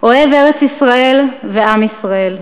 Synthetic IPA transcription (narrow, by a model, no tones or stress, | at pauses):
oe̞veʁet͡sisʁaelveamisʁael